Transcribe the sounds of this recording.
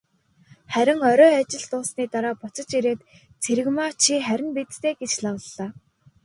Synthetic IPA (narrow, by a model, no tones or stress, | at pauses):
χæɾʲɪ̆ŋɔɾɔːat͡ɕɪ̆ɮt̪ʊːsniːt̪aɾaːpʊt͡sə̆t͡ɕiɾeːt̪ | t͡sʰeɾɘ̆ɣmaːt͡ɕʰiχæɾʲɪ̆npit̪t̪eːɡet͡ɕɮawə̆ɮːaː